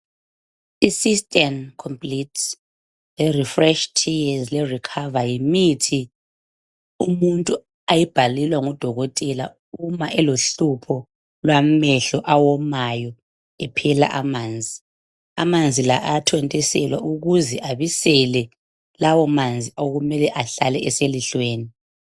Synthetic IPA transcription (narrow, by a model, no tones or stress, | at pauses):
isistʼɛmkʰɔmpʼlit | lɛrifrɛʃtʰiazlɛrikʰavajimitʰi | umuntʼu | ajib̥ʱalilwaŋɔd̥ʱɔɣɔtʼɛla̰ | umaʔɛloɬupʰɔ | lwamɛɬɔʔawɔmajɔ | ɛpʰɛla̰ʔamaːnd͡zʱi | a̰mand͡zʱilaʔatʰɛntʼɛsɛlwa̰ʔuɣuzɛʔaβisɛlɛ | lawɔmand͡zʱioɣumɛlɛʔaɬalɛɛseliɬweːni